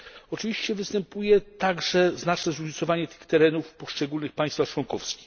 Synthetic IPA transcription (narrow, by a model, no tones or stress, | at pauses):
ɔt͡ʂɘvʲiɕt͡ɕɛvɘst̪ɛmpujɛt̪aɡʐɛznat͡ʂnɛzɾuɲit̪sɔvaɲɛt̪ɘ̥xt̪ɛɾɛnufpɔʂt͡ʂɛɡulnɘxpajst̪faxt͡ʂwɔnkɔfskʲi̥x